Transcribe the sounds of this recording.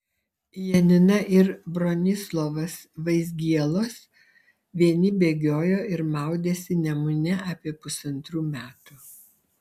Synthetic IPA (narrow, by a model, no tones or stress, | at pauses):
jɛnʲɪnɐʔɪɾbɾɔːnʲɪslˠoʋɐs | ʋɐɪzʲɡʲiɛlˠoːs | ʋʲiɛnʲɪbʲeːɡʲoːjoːɪɾmɑˑʊd̪ʲeːsʲɪnʲɛmʊnʲɛʔɐpʲiɛpʊsɐnt̪ɾuːmʲæːt̪ʊ